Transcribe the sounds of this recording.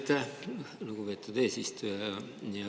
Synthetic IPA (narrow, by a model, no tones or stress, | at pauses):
t̪ːælukupet̪ːˑud̪eːsist̪ujɑɑ | jɑ